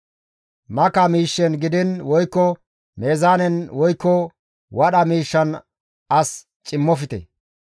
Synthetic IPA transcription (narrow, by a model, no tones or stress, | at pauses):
mɐkɐmiːʃːɛnɡɪd̪ɪnwɔjkːɔ | me̞ːzaːnɛnwɔjkːɔ | wɐɗɐmiːʃːɐn | ɐs | t͡ʃʼɪmːɔfɪt̪ɛ̰